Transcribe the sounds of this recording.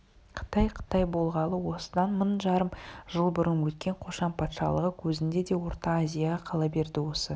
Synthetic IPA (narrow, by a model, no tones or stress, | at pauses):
qʰə̥t̪ɑjqʰə̥t̪ɑjbo̞lˠʁɑlˠəwo̞səd̪ɑnmənʒɑɾəmʒ̥əlˠbʊɾənwɵt̪kʲe̞ɴqʰo̞ʃɑnpʰɑt̪ʃɑ̰lˠəʁəkʲʰɵzɪnd̪e̞d̪e̞wo̞ɾt̪ɑːzʲijaʁɑqʰɑlˠɑbe̞ɾd̪ɪwo̞sə